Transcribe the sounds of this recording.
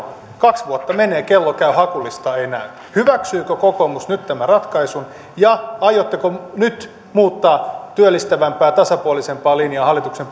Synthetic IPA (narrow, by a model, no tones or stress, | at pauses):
kɑksʋuot̪ːɑmeneːkelːokæyhɑkulːˑist̪ɑenæy | hyʋæksyːkøkokomusnyt̪t̪ːæmærɑt̪kɑisun | jɑɑjot̪ːekonyt̪ | muːt̪ːɑːt̪yølːist̪æʋæmpæːt̪ɑsɑpuolisempɑːliniɑːhɑlːˑit̪uksem